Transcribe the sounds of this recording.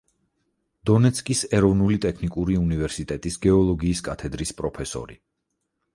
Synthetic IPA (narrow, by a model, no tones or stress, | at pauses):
d̪̥ɔnɛt̪sʰkʼisɛɾɔvnulit̪ʼɛkʰnikʼuɾiunivɛɾsit̪ʼɛt̪ʼisɡɛɔlˠɔɡiːskʼat̪ʰɛd̪ɾispʼɾɔpʰɛsɔ̰ɾḭ